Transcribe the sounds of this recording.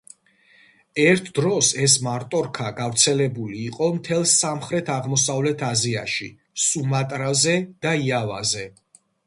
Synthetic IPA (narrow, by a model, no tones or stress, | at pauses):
ɛɾt̪ʰd̪ɾɔsɛsmaɾt̪ʼɔɾkʰaɡavɾt̪sʰɛlɛbuliːqʼɔmt̪ʰɛlˠsamχɾɛt̪ʰaʁmɔsavlɛt̪ʰazia̰ʃi | sumat̪ʼɾazɛd̪̥aiava̰zɛ